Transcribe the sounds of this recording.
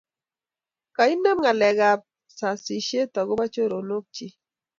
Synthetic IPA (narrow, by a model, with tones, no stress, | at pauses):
ka˨i˦nɛ˦mŋa˨lɛ˨ɡa˨p̚ | sa˨si˨ʃe˦tɔ˨ɣʊ˦ba˦t͡ʃo˦ɾo˨no˦k̚t͡ʃi˦